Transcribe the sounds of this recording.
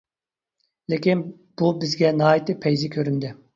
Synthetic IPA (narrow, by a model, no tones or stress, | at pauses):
lɪkʲin | b̥ubɪzɡʲɛnɑːit̪ɪpʰɛjzɪkʲʰøɾynd̪ɪ